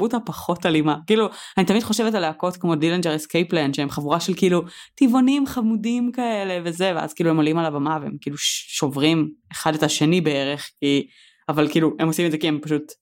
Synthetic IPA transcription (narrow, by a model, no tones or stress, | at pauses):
utapaχo̞talimakiːluanit̪amidχo̞ʃevetaleako̞tkmo̞dilend͡ʒeeskejplenʃeemχavuʁaʃelkiilutivonimχamudimkae̞le̞vezevea̰zkiːluemolimalavamaveḛmkiiːluʃo̞vʁimeχadetaʃenibeeʁeχki | avalkiːluhemosimedzekiempaʃut